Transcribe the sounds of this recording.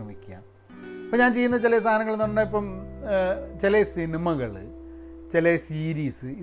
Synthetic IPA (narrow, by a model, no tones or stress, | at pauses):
rɐmikʲːua̰ːm | ɐpoːɲaːnt͡ɕe̞junːɐt͡ɕelɐs̬t̪ʰaːnɐŋːɐɭenːuɳɖaːipːɐm | t͡ɕelesinimɐɣɐɭɨ | t͡ɕelesiːɾiːsɨi